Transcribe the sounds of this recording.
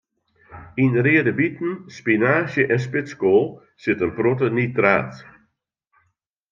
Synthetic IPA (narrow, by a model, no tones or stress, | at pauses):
inreədəbitn̩spinaːʃjəʔɛs̬pɪskoːlˠ | sɪtənprotənitra̰ːt